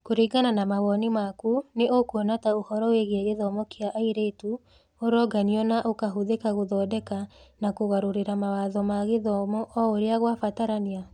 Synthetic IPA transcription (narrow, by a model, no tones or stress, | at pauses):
koɾiɡananamaɣɔnimakuneokonataohɔɾɔweɣeɣeðɔmɔkeaʔaiɾetu | oɾɔɡaniɔnaʔokaɦoðekaɣoðɔdɛkanakoɣaɾoɾeɾamawaðɔmaɣeðɔmɔʔɔoɾeaɣwafataɾania